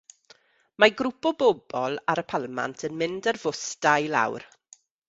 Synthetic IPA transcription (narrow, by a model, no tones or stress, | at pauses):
maɡɾʊpɔbɔbɔlˠaɾəpʰalˠma̰ntʰənmɪndərvʊsdajla̰wr